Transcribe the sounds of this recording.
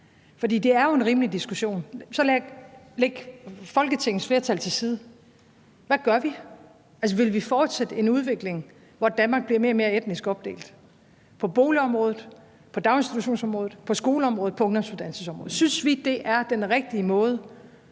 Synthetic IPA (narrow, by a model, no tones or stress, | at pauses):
fɒ̽dḭːd̥e̝æɐjo̝e̝nʁiːmlid̥isɡ̥uɕo̝̰ːnsɒ̽læ̥leɡ̥fɒ̽lɡ̥ət͡sʰe̝ŋ̰n̩sfle̝ːɐt͡sʰæl̰t͡sʰe̝lsiːð̞ˠ | ʋæɡ̥ɶɐʋi | ʔæls̬ɒ̽ʋe̝lʋifɒːd̥sed̥əe̝nuð̞ˠʋe̝ɡ̥le̝ŋ | ʋɒd̥ænmɑ̈ːɡ̥̚b̥liɐme̝ːɐme̝ːɐed̥nisɡ̥ɒ̽b̥d̥e̝̰ːld̥ | pʰɒ̽b̥o̝ːliɒ̽mʁɔ̽ːð̩ˠ | pʰɒ̽d̥ɑ̈ʊensd̥it͡sʰuɕo̝̰ːnsɒ̽mʁɔːð̩ˠpʰɒ̽sɡ̥o̝ːləɒ̽mʁɔ̽ːð̩ˠpʰɒ̽ɔndɒmsud̥ænsəsɒ̽mʁɔðˠsynsʋid̥e̝ʔæɐd̥enʁeɡ̥̚d̥iəmɔ̽ːð̞ˠə